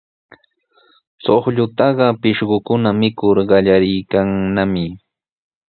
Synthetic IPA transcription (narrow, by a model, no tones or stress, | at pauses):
soχʎʊt̪ɑɢɑpɪʃɢʊkʊnamɪkʊɾɢɑʎaɾɪjkaŋnamɪ